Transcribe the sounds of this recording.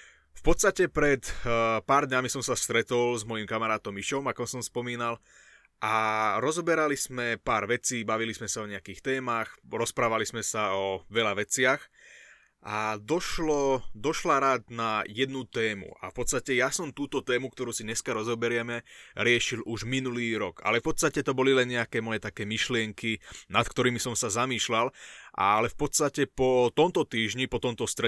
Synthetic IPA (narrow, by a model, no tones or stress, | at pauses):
fpɔt̪st̪acɛpɾɛt̪paːɾd̪ɲamisɔmsast̪ɾɛt̪ɔlzmɔjimkamaɾaːt̪ɔmiʃɔmakɔmsɔmspɔmiːnal | ʔaɾɔzɔbɛɾalizmɛpaːɾʋɛt͡siːbaʋilizmɛsaɔɲɛakiːxt̪ɛːmaxɾɔspɾaːʋalizmɛsaɔʋɛʎaʋɛt͡sɪax | ʔad̪ɔʃlɔd̪ɔʃlaɾaːd̪najɛd̪nut̪ɛːmṵʔa̰fpɔt̪st̪acɛjasɔmt̪uːt̪ɔt̪ɛːmukt̪ɔɾuːsiɲɛskaɾɔzɔbɛɾɪɛmɛɾɪɛʃiluʒminuliːɾɔɡa̰lɛfpɔt̪st̪acɛt̪ɔbɔlilɛnɲɛakɛːmɔjɛt̪akɛːmiʃlɪɛŋkinat̪k̚t̪ɔɾiːmisɔmsazamiːʃlalʔa̰lɛfpɔt̪st̪acɛpɔt̪ɔmt̪ɔt̪iːʒɲipɔt̪ɔmt̪ɔst̪ɾɛ